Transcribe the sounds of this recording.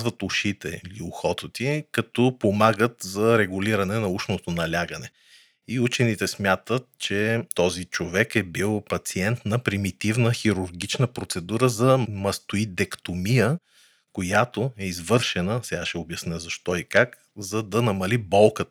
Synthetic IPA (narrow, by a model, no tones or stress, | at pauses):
zvɐt̪ʊʃit̪ɛ̰ilioxɔt̪ət̪ikɐt̪ɔpomaɡət̪zɐɾɛɡuliɾɐnɛnɐuʃnot̪onɐlʲaɡənɛ | iut͡ʃɛnit̪ɛsmʲjat̪ət̪̚t͡ʃɛt̪ɔzit͡ʃovɛkɛbilˠpɐt̪siɛnt̪nɐpɾimit̪ivnəxiɾuɾɡit͡ʃnəpɾot̪sɛd̪uɾəzɐmɐst̪oid̪ɛkt̪omijə | kojat̪oɛizvɤɾʃɛnəsɛɡaʃɛobjɐsnɛzɐʃt̪ɔikak | zɐd̪ɐnɐmɐlibɔlˠkət̪